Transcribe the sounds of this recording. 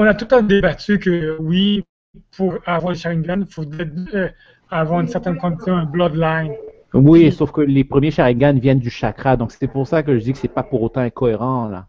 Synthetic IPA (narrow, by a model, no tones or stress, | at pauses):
ɔ̃nat̪ut̪ɑ̃d̪ebat̪ykəwi | pʰuʁavwaʁləʃaʁĩŋɡanfod̪ɛ | avwaʁynsɛʁt̪ɛnkɔ̃d̪isjɔ̃ɛ̃blɔd̪lajn | wisofkəlepχəmjeʃaʁĩŋɡanvjɛnd̪yʃakχad̪ɔ̃kse̥t̪ɛpuʁsak̬əʒəd̪ikə̥sɛpapuʁot̪ɑ̃ɛ̃kɔeʁɑ̃la̰